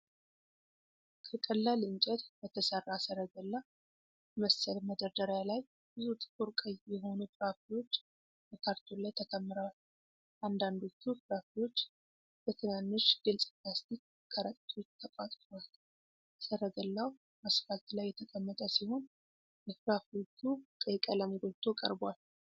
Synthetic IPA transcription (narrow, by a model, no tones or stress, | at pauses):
kʰəkʼəlːalɨnt͡ʃʼɛt̪bət̪ʰəsərːasəɾəɡəlːa | məsəlməd̪əɾd̪əɾjalaj | bɨzut̪ʼɨ̥kʼuɾkʼəjjɛho̞nut̪ʼɾafilo̞t͡ʃː | bəkʰaɾt̪ʰolajt̪ʰəkʰəmːɨɾal | ʔand̪and̪o̞t̪ːutɾafilo̞t͡ʃː | b̥ət̪ʰɨnanːɨʃɡ̥ɨlsʼplast̪ik̚ | kʰəɾəkʼt̪ʰot͡ʃːt̪ʰəkʼat̪ʼt̪al | səɾəɡəlːaw | məsfalt̪lajːɛt̪ʰəkʰʼəmːət̪ʼəsiho̞n | bəfɾafio̞t͡ʃːut̪ʼəjkʼələmɡot̪ʰːokʼə̰ɾbal